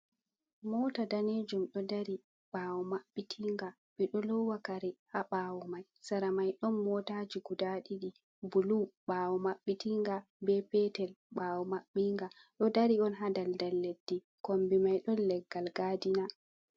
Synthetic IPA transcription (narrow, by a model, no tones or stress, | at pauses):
mɔtadaneːd͡ʒumɗɔdaɾi | ɓawumaɓːitʰiŋɡa | ɓɛɗɔlɔwakaɾɛhaɓaːwumaj | saɾamajɗɔnmɔtad͡ʒiɡudaɗiɗi | buluɓawumaɓːitiŋɡa | bɛpɛtɛl | ɓaːwumaɓːiŋɡa | ɗɔdaɾiɔnɦadaldalːedːi | kombimajɗɔnlːɛɡːalɡadina